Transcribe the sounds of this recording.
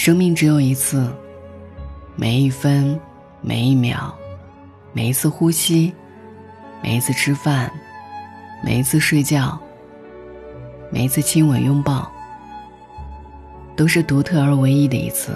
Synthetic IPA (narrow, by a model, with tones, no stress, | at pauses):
ʂɤ˥ŋmi˥˩ŋʈ͡ʂɻ̩˧˥jo˨˩ʊi˧˥t͡sʰɹ̩˥˩ | mḛ˨˩ɪi˥˩fə˥n | mḛ˨˩ɪi˥˩mjɑ̰˨˩˥ʊ | me˨˩ɪi˧˥t͡sʰɹ̩˥˧xu˥ɕi˥ | mḛ˨˩ɪi˧˥t͡sʰɹ̩˥˧ʈ͡ʂʰɻ̩˥fa˥˩n | mḛ˨˩ɪi˧˥t͡sʰɹ̩˥˧ʂwe˥˧ɪt͡ɕjɑ˥˩ʊ | me˨˩ɪi˧˥t͡sʰɹ̩˥˩t͡ɕʰi˥nwə˨˩njʊ˥ŋpɑ˥˩ʊ | t̪o˥ʊʂɻ̩˥˩t̪u˧˥t̪ʰɤ˥˩ə˞˧˥we˧˥ɪi˥d̪ə̰˨ḭ˧˥t͡sʰɹ̩̰˥˩